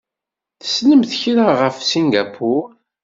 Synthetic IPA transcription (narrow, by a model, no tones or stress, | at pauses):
θə̥sləmθçɾaʁəfsiŋɡapʰʊɾ